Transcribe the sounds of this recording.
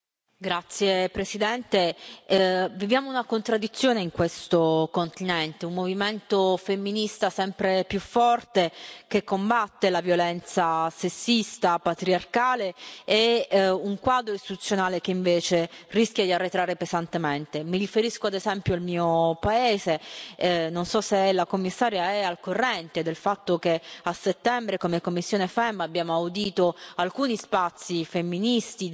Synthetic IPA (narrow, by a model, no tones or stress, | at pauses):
ɡɾat̪sːjepɾesid̪ɛnt̪e | vivjaːmounakont̪ɾad̪ːit̪sːjoːneiŋkwest̪okont̪inɛnt̪eumːoviment̪ofemːinist̪asɛmpɾepjufːɔrt̪ekekːombat̪ːelavjolɛnt̪sasesːist̪apat̪ɾiarkaːleː | uŋkwaːd̪ɾoist̪i̥t̪ut̪sjonaːlek̟eiɱveːt͡ʃerisk̟jad̪iarːet̪ɾaːɾepezant̪ement̪emirifeɾiskoad̪ezɛmpjoalmiːopaeːze | nonsɔseɛlakomːisːaːɾjaɛalkorːɛnt̪ed̪elfat̪ːok̟easet̪ːɛmbɾekomekomːisːjoːnefɛmabjaːmoawd̪iːt̪oalkuːnispat̪sːifemːinist̪i